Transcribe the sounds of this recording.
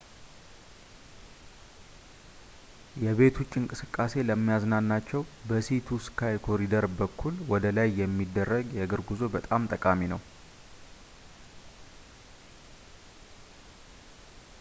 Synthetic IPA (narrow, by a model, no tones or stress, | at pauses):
jɛβe̞t̪ʰut͡ʃʼːɪŋkʼɨsɨkʼːase̞ləmːijaznanːat͡ʃːɛwbəsit̪ʰuskʰajkʰo̞ɾid̪əɾbəkʰːulwɔd̪əlajːɛmːid̪ːərːəɡjɛɡəɾɡuzo̞bət̪ʼamt̪ʼəkʼaminəw